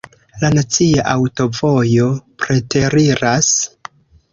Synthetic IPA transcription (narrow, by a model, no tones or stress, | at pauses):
lanat͡siaʔawto̞vo̞jo̞pɾe̞tʰe̞ɾiɾas